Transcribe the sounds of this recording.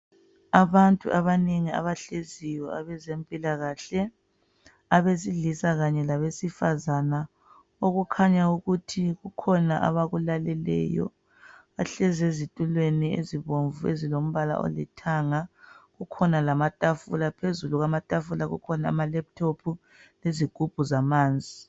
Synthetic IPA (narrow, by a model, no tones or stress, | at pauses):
aβantʼṵʔaβaniŋia̰βaɬezijɔaβɛzempʼilaɣaɬɛ | aβesiɮisaɣaɲɛlaβesifazana | oɣukʰaɲauɣutʰiɣukʰɔnaʔa̰βaɣulalɛlɛ̰ːjɔ̰ | βaɬɛzezitʼulweniḛziβoɱvuezilom̩βala̰ʔɔ̰lɛtʰaŋaɣukʰɔnalamatʼafulapʰezuluɣamatʼafulaɣṵkʰɔnaa̰malɛp̚tʰʼopʰu | leziɡ̥ʱub̥ʱuzamaːnd͡zʱi